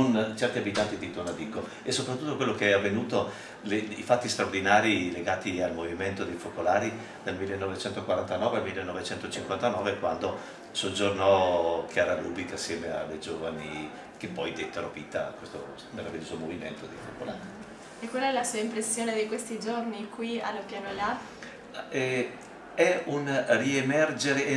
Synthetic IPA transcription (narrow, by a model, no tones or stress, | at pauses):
ont͡ʃɛrt̪iabit̪ant̪id̪it̪onad̪ikːo | esːopɾat̪ːut̪ːokwelːokeɛavːenuːt̪o | leifat̪ːist̪ɾaord̪inaːɾileɡaːt̪ialmoviment̪od̪efokolaːɾi | d̪̥almilːenːɔvet͡ʃɛnt̪okwaɾant̪anɔːvealmilːenːɔvet͡ʃɛnt̪ot͡ʃiŋkwant̪anɔːvekwand̪o | sod͡ʒornɔkʰjaːɾaluːbikasːjɛːmea̰lːed͡ʒoːvani | kepːɔjd̪ɛt̪ːeɾoviːt̪akwest̪o | meɾaviljoːzomovimḛnt̪od̪ejfokolaːɾi | ekwalɛlasuaimpɾesːjoːned̪ikwest̪id͡ʒornikwialːopjaːnola | ɛ | ɛunriemɛrd͡ʒeɾe